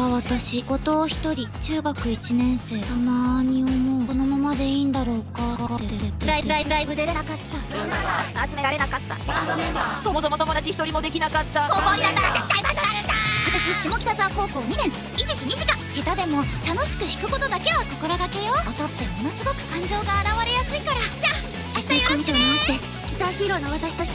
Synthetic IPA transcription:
aβat̪aɕiɡo̞t̪o̞ːçi̥t̪o̞ɾʲit͡ɕɨːɡakɯ̟it͡ɕinẽ̞ɰ̃se̞ːt̪amaɲ̟io̞mo̞ːko̞no̞mamad̪e̞iːnd̪aɾo̞ːkatkat̪eeet̪ːeɾaiɾaiɯɾaibɯ̟d̪ed̪enakat̪ːa | at͡sɨme̞ɾaɾe̞nakat̪ːa̰ | so̞mo̞somot̪o̞mo̞d̪at͡ɕiçi̥t̪o̞ɾʲimo̞d̪e̞kʲinakat̪ːakoːkoːɲʲiaaɾat̪et̪aimaoɾaɾɯ̟̃nd̪akat̪aɕiaɕimo̞kʲi̥t̪azako̞ːko̞ːɲ̟inẽ̞ŋ | it͡ɕit͡ɕiɲ̟iʑikãhe̞t̪ad̪e̞mo̞t̪ano̞ɕi̥kɯ̟çi̥kɯ̟ko̞t̪o̞d̪ake̞βako̞ko̞ɾoɡake̞jo̞ot̪o̞t̪ːe̞mo̞no̞sɨɡo̞kɯ̟̥kãɲ̟d͡ʑo̞ːɡaːɾaβaɾe̞jasɨikaɾad͡ʑaː | aɕi̥t̪aikãɕiimaɕit̪e | kʲi̥t̪açiɾonoβat̪aɕi̥t̪at͡ɕi̥

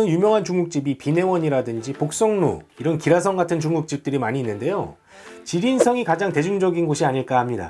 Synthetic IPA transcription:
ɯnjumjʌŋɦant͡ɕuŋɡuk̚t͡ɕ͈ibipine̞wʌɲiɾadɯnd͡ʑipok̚s͈ʌŋno̰iɾʌnkiɾasʰʌŋɡatʰɯnt͡ɕuŋɡuk̚t͡ɕ͈ip̚t͈ɯɾimaɲiːnːɯnde̞jo | t͡ɕiɾinsʰʌŋikad͡ʑaŋte̞d͡ʑuŋd͡ʑʌɡinɡoɕʰiaɲiɭk͈ahamɲida̰

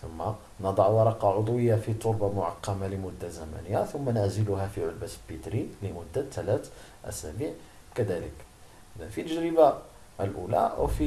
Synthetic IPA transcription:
θʊmːa | nɑd̪ˤɑʕwɑɾˤɑqɑʕod̪ˤwəjːafit̪ˤoɾbɑmʊʕɑ̰qːɑmaləmʊd̪ːazæmæ̰nəjːat̪ʊmːænæʕzəlʊɦæfiʕʊlbæslbit̪ɾiləmʊd̪ːat̪ːælæt̪ʔæ̰sæ̰biʕ | kæd̪ælə̰k | ʔʔəd̪ænfit̪əʒɾəba | əlʔṵlæ̰ʔwfi

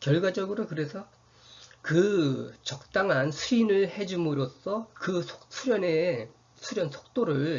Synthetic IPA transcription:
kjʌɭɡwad͡ʑʌɡɯɾokɯɾe̞sʰʌ | kɯt͡ɕʌk̚t͈aŋɦansʰuinɯɭhe̞d͡ʑumɯɾosʰʌkɯsʰo̥ksʰuɾjʌne | sʰuɾjʌnsʰo̥k̚t͈oɾɯɭ

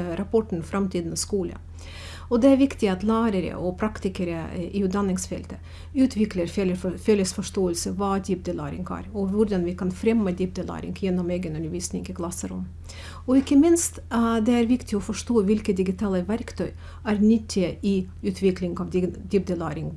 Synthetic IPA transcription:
ɾɑpɔʈɳ̩fɾɑmt̪ʰiːd̪nskuːlə̰ | ɔd̪ɛæɾʋɪkt̪ɪɑt̪læːɾəɾə̰ʔɔpʰɾɑkt̪ɪkəɾəʔɪʉt̪̚d̪ɑnːɪŋsfɛ̰lt̪ə | ʉːt̪ʰʋɪkləɾffɛləsfɔʂʈoːəlsəʋɑːd̪ip̚d̪əlæ̰ːɾɪ̰ŋɡæ̰ːɾɔʋʊɾɖ̪ɑnʋɪkʰɑnfɾɛmːəd̪ɪp̚d̪əlæ̰ːɾɪ̰ŋɡjɛnːɔmeːɡənʉnd̪əɾʋiːsnɪ̰ŋɡɪkʰlɑsːəɾʊ̰m | ɔɪkːəmɪnst̪d̪ɛæɾʋɪkt̪ɪɔfɔʂt̪oːʋɪlkət̪̚d̪ɪɡɪt̪ʰɑːləʋæɾkt̪ʰœʏ | æɾnʏt̪ʰːɪʔɪ | ʉːt̪ʰʋɪklɪŋɑʋd̪̥ɪp̚d̪əlæːɾɪŋ

